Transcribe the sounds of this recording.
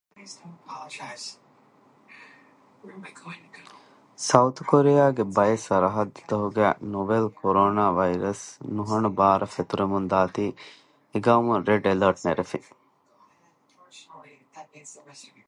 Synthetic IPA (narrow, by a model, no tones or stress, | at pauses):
sɐut̪ʰkoɾejaːɡebɐjesɐɾɐɦɐd̪ːɐt̪ɐɦuɡæ̰ːnobelkʰoɾoːnaːʋɐjɾɐsnuɦɐɳubaːɾʔɐfet̪uɾemund̪aːt̪iː | eɡɐumuɾeɖelɐɾʈneɾefi